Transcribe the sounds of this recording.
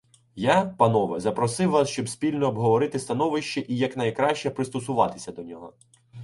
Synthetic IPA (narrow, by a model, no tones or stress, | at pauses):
japɐnɔʋɛzɐpɾɔsɪwːɑsʃt͡ʃɔbsʲpʲilʲnɔːbɦɔʋɔɾɪt̪ɪst̪ɐnɔʋɪʃt͡ʃɛʔijɐknɐjkɾɑʃʲt͡ʃɛpɾɪst̪ɔsʊʋɑt̪ɪ̥sʲɐd̪ɔnʲɔɦɔ